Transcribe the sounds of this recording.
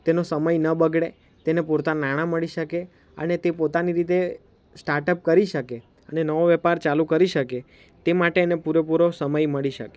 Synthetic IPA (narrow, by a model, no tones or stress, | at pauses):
t̪enosəməjnəbəɡɽe | t̪enepuɾt̪anaɽ̃ãməɭiʃəke | ə̰net̪epot̪aniɾit̪e | sʈaɾʈəp̚kəɾiʃəke | ənenəʋoʋɛpaɾt͡ʃalukəɾiʃəke | t̪emaʈeːnepuɾepuɾosəməjməɭiʃə̰ke̥